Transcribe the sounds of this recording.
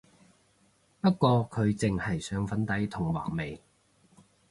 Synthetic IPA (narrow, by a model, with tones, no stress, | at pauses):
pɐ˥t̚kʷɔː˧kʰɵ˨˧ɥt͡sɪ˨ŋhɐ˨˩jsœː˨˧ŋfɐ˨˥nt̪ɐ˨˥jt̪ʰʊ˨˩ŋwa̰ː˨˩ŋme˨j